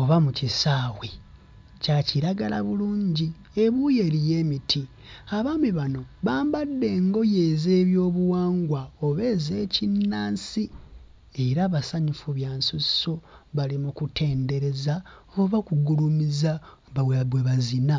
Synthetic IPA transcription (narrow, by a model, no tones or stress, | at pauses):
oβamucisaːwe | caciɾaɡala̰βuluːɲɟi | e̞βuje̞ɾije̞ːmitʰi | aβaːmiβano̞βaːmbadːe̞ŋɡo̞jeːze̞ːβjoːβuwaːŋɡwaoβe̞ːze̞cinːaːnsi | e̞ɾaːβasaɲufuβjaːnsuso̞βalimukutʰe̞ːnde̞ɾe̞zaoβakuɡulumiza | βaweβweβazina